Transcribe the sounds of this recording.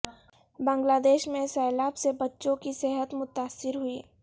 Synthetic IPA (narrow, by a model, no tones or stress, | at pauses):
bə̃ŋɡlaːd̪eːʃmẽsɛːlaːbsebɐtːʃõkiseɦət̪mʊt̪aːsːɪɾɦʊiː